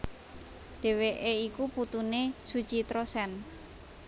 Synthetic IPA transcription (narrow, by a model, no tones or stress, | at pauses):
ɖ̥e̤weʔeikuput̪unesud̥t͡ʃit̪ɾosɛn